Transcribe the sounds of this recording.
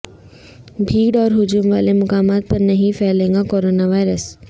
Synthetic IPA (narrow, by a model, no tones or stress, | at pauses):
bʱiːɖɔːɾɦʊd͡ʑuːmʋaːlemʊkaːmaːt̪̚pɐɾnɐɦĩfeːlẽːŋɡakoːɾoːnaʋaːɪɾəs